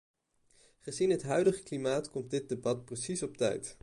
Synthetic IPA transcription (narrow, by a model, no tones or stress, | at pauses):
χəzinɦətɦœɥdəχəklimaːtkɔmt̚dɪt̚debɑt̚prəsisɔp̚tɛ̰jt